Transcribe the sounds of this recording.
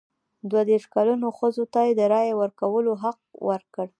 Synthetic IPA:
d̪wad̪eɾʂkalunoxəzot̪ajed̪əɾɑjawəɾkawəloɦaq̚wəɾkəɽ

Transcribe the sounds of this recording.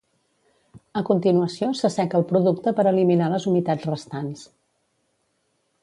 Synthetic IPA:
əkunt̪inuəsiosəsɛkəlˠpɾuðukt̪əpəɾəliminaləzumit̪ad͡zrəst̪ans

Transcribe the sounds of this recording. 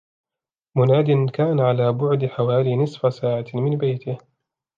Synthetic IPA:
mʊnaːd̪ɪnkaːnʕalaːbʊʕd̪ɪħawaːliːnɪsfasaːʕamɪnbajt̪ɪh

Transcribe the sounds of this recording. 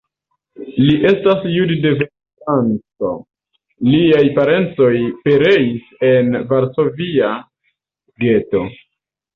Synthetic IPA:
liʔe̞stasjudde̞ve | tant͡so̞̰ | liajpaɾe̞nt͡so̞jpe̞ɾe̞ise̞nvaɾso̞via | ɡe̞to̞

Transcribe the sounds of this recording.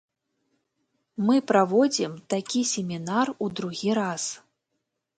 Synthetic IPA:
mɨpɾavɔd͡zʲimt̪akʲisʲemʲinarud̪ɾuɣʲiɾas

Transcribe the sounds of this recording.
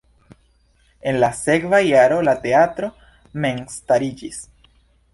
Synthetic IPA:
e̞nlase̞kvajaɾo̞late̞atɾo̞ | me̞nstaɾid͡ʒis

